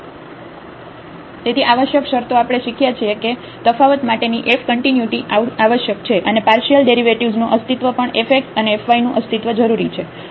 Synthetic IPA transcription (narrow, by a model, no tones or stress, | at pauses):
t̪et̪ʰiʔaʋəʃjəkʃəɾt̪oapəɽ̃eʃikʰjat͡ʃʰieke | t̪əfaʋət̪maʈeniʔefkəɳʈinjuʈiaaʋəʃjəkt͡ʃʰeʔənepaɾʃijəlɖeɾiʋeʈiʋznũʔəst̪it̪ʋəpəɳefek̚ʈəneːfʋainũʔəst̪it̪ʋəd͡ʒəɾuɾit͡ʃʰe